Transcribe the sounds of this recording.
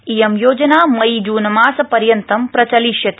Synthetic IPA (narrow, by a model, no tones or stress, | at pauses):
ijɐmjoːd͡ʒɐnaːmɐid͡ʒuːnmaːsɐpɐɾjɐnt̪ɐmpɾɐt͡ʃɐliʃjɐt̪